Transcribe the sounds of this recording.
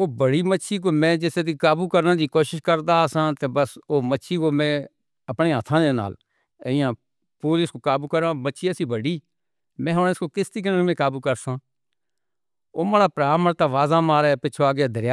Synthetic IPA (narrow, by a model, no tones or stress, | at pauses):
oːbəɽiːmətːʃʰiːkoːmɛ̃ːd͡ʒɪset̪iːkaːbuːkəɾnãːd͡ʒiːkoːʃɪʃkəɾd̪aːsãːt̪eːbəsoːmətːʃʰiːkoːmɛ̃ː | əpneːɦət̪ʰãːd͡ʒ̪eːna̰ːl | əɪjãː | puːlɪskoːkaːbuːkəɾãːmətːʃʰiːəsiːbəɽiː | mɛ̃ːɦonːskoːkɪst̪iːk̬ənmɛ̃ːkaːbuːkəɾsãː | oːməɽaːpɾaːməɾt̪aːʋaːzaːmaːɾɛːpɪːt͡ʃʰoːaːɡaːd̪ʱəɾjaː